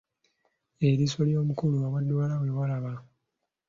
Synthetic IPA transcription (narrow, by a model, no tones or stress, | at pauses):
eɾiso̞ljo̞ːmukuluawadːwaːlawewalaβa